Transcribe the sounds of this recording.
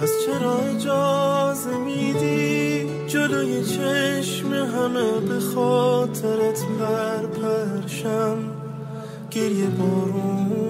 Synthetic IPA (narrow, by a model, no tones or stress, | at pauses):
æzt͡ʃʰeɾɒːed͡ʒɒːzemid̪i | d͡ʒelojet͡ʃʰeʃmeɦæmebexɔːt̪ʰeɾet̪ʰbæɾpʰæɾʃæm | ɡ̥eɾjebɒːɾumu